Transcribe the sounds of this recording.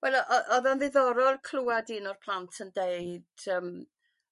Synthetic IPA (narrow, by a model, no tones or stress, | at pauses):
wɛlˠɔʔɔʔɔðɔnðɪðɔɾɔlˠkʰluːadiːnɔrpʰlˠantʰəndeɨd̥əːm